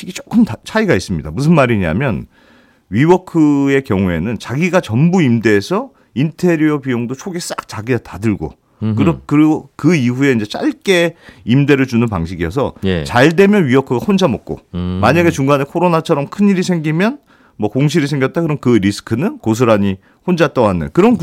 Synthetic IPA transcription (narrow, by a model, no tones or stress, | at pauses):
iɡit͡ɕokʰɯmt͡ɕʰaiɡais͈ɯmɲida̰mus̬ʰɯnmaɾiɲia̰mjʌn | ɥiwʌkʰɯe̞kjʌŋue̞̰nɯnt͡ɕaɡiɡat͡ɕʌmbuimde̞ːsʰʌ | intʰe̞ɾuopijoŋdot͡ɕʰoɡes͈ak̚t͡ɕaɡiɡatadɯɭɡo̰ | kɯɾʌkɯɾiɡokɯiɸue̞ind͡ʑe̞t͡ɕ͈a̰ɭk͈e̞imde̞ɾɯɭd͡ʑunɯnpaŋɕʰiɡijʌs̬ʰʌjt͡ɕaɭde̞mjʌnɥiwʌkʰɯɡahond͡ʑamʌk̚k͈o̰maɲaɡe̞t͡ɕuŋɡanekʰoɾonat͡ɕʰʌɾʌmkʰɯniɾisʰe̞ŋɡimjʌn | mʌkoŋɕ̬ʰiɾisʰe̞ŋɡjʌt̚t͈akɯɾʌnkɯɾisʰɯ̥kʰɯnɯnkos̬ʰɯɾaɲi | hond͡ʑat͈ʌwanːɯ̰kɯɾʌn